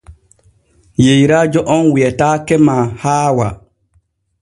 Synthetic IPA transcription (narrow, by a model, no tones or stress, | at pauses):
jejɾaːd͡ʒɔʔɔnwiɛtaːkɛmahaːwa